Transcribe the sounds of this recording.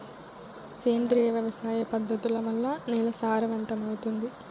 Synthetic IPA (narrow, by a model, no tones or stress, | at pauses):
seːnd̪ɾijɐʋjɐʋɐsaːjɐpɐd̪ːɐt̪ulɐʋɐlːɐnɛlɐsaːɾɐʋɐnt̪ɐmɐwut̪und̪i